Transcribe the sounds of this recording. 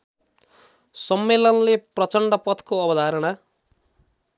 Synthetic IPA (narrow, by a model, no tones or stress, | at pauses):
sʌmːelʌnleprʌt͡sʌɳɖʌpʌt̪koʌbʌd̪ʱaɾʌɽ̃a